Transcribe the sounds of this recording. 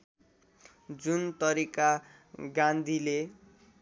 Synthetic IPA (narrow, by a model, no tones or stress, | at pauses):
d͡zunt̪ʌɾika | ɡãnd̪ʱile